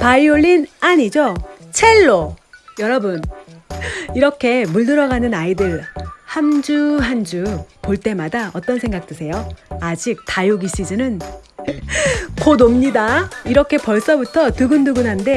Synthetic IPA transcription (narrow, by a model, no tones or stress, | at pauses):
paioɭʎːinaɲid͡ʑot͡ɕʰe̞ɭːojʌɾʌbɯn | iɾʌkʰe̞muɭdɯɾʌɣanɯnaidɯɭhamd͡ʑuɦand͡ʑupoɭt͈e̞madaʌt͈ʌnsʰe̞ŋɡak̚t͈ɯsʰe̞joad͡ʑik̚tajoɡiɕ͈id͡ʑɯnɯn | kodomɲidaiɾʌkʰe̞pʌɭs͈ʌbutʰʌtɯɡɯndɯɡɯnɦande̞